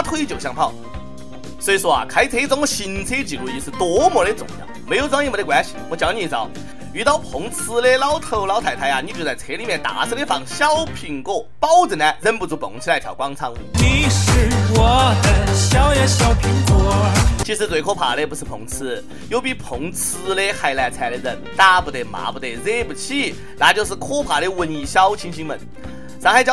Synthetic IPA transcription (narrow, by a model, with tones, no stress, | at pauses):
a˥t̪ʰwo˥˧i˥˧t͡ɕjo˨˩ʊɕjɑ˥˧ŋpʰɑ˥˩ʊ | swɔ˧˥i˧˥ʂwɔ˥a̰˨˩kʰa˧˥ɪt͡sʰe˧˥˧t͡sŋɔ˧ɕi˨˩nt͡sʰe˧˥t͡ɕi˨˩lu˧i˧ʂɹ̩˥˧t̪wɔ˧˥mwɔ˧˥le˧˥t͡sʊ̰˨˩ŋɕjɑ̰˥˩ŋme˧˥ɪjo˧˩t͡sa˥ŋi˥˩m˧˥˧kwa˧˥nɕi̥˨wɔ˧˥t͡ɕjɑ˧˥ʊni˧˩˧t͡sɑ˧˥ʊ | y˧˥t̪ɑ˥˩ʊpʰʊ˧˥ŋt͡sʰɹ̩˧˥le˥˧lɑ˥ʊt̪ʰo˧˥˩ʊlɑ˧˥ʊt̪ʰa˨˩ɪtʰa˧˥ɪa˧˩ni˧˥t͡ɕo˧˩t͡sa˥˩ɪt͡sʰe˧˥li˨˩mjɛ˥˩nt̪a̰˨˧˥t͡sʰə˥le˥fɑ̰˨˩ŋɕjɑ˥ʊpʰi˧˩ŋko˥˩ʊpɑ˥ʊt͡sə˨˩na˥˩ɻə˥npu˥˩t͡su˧˥pʊ̰˨˩ŋt͡ɕʰi˧la˧˩t̪ʰjɑ̰˨˩ʊkwɑ˥ŋt͡sʰɑ˥ŋ˧˩ni˨˩ʂɻ̩˥˧wɔ˨˩d̪ə˧ɕjɑ˥ʊjɛ˧˥ɕjɑ˥ʊpʰi˧˥ŋkwɔ˧˥t͡ɕʰi˧˥ʂɻ̩˧˥t͡swe˨˩ɪkʰɔ˥pʰa̰˨˩le˥˧pu˧˥ʂ̩˥˧pʰʊ˧˥ŋt͡sʰɹ̩˥ | jo˧ʊpi˧˩pʰʊ˧˥ŋt͡sʰɹ̩˥le˥˧xa˧ɪla˧˩ɪt͡sʰa˧ɪə˧ɻə˥˩nt̪a˥˩pu˧˩t̪e˧˩ma̰˧˥pu˧˩t̪e˥˧˩ze˥pu˧˩t͡ɕʰi˥˩ | la˧˥t͡ɕjo˥˧ʊʂ̬̩˥˩kʰɔ˥pʰa˨˩le˥˧wə˧ni˧˩ɕjɑ˥ʊt͡ɕʰi˧˥ŋɕi˥ŋmə̰˨˦n | ʂŋxa˧˥ɪt͡ɕjɑ˥